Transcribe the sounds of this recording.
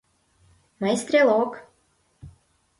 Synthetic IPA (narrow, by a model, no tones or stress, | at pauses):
majst̪ɾʲelˠok